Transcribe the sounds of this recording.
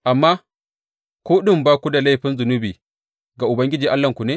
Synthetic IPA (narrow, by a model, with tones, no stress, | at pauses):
ʔa˨mːaː˦ | kʷoː˦ɗɪ˦˨mbaː˦kʷu˦da˨la˦˨ɸɪ˦nzʊ˨nu˦biː˨ | ɡa˨ʔʊ˨bɐ˦ŋɡʲɪ˦d͡ʒiː˨ʔa˦lːɐ˦˨ŋkʷu˨neː˦